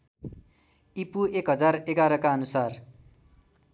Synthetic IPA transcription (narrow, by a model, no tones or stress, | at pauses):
ipuekɦʌd͡zareɡaɾʌkaʌnusar